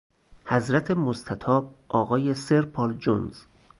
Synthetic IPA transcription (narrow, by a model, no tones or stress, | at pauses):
hæzɾæt̪ʰemost̪ʰæt̪ʰɒːb̚ʔɒːɣɒːjeseɾpʰɒːld͡ʒonz̥